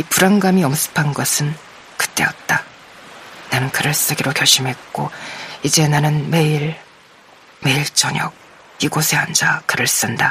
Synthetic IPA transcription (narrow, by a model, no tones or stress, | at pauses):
ipuɾaŋɡamiʌms͈ʰɯ̥pʰanɡʌsʰɯn | kɯ̥t͈e̞ʌt̚t͈a | nanɯnkɯɾɯɭs͈ɯɡiɾokjʌɭɕ͈imɦe̞t̚k͈oid͡ʑe̞nanɯnme̞iɾ | me̞iɭt͡ɕ͈ʌɲʌ̰k̚ | iɡosʰeand͡ʑakɯɾɯɭs͈ɯnda